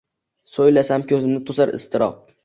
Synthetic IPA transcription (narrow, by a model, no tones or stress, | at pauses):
sojlasamkʲʰɵzɪmnɪt̪ʰʊzaɾɪ̰st̪ʰɪɾʔɒ̰q̚